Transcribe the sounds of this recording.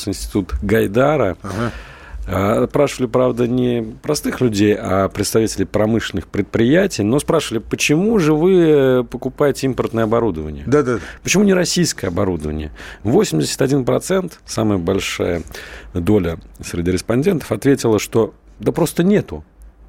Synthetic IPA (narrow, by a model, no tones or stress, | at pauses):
sɨɪnsʲtʲɪ̥t̪ut̪ɡɐjd̪aɾə | əspɾaʂəvəlʲɪpɾavd̪ənʲɪpɾɐst̪ɨxlʲʉdʲejapɾʲɪt̪st̪ɐvʲitʲɪlʲɪjpɾɐmɨʂlʲɪnɨxpɾʲɪt̪̚pɾʲɪjætʲɪjno̞spɾaʂəvəlʲɪpət͡ɕɪmuʐɨvɨpəkʊpajɪtʲɪimpərt̪nəjəɐbɐɾud̪əvənʲɪjəd̪ad̪apə̥t͡ɕɪmunʲɪɾɐsʲijskəjəɐbɐɾud̪əvənʲɪ̰jəvo̞sʲɪmʲdʲɪsʲə̥t̪ɐdʲinpɾɐt̪sɛnt̪saməjəbɐlʲʂa̰jəd̪o̞lʲəsɾʲɪdʲiɾʲɪspɐnʲdʲe̞nt̪ə̥fɐt̪vʲetʲɪlˠəʂt̪o̞ | d̪apɾo̞st̪ənʲet̪ʊ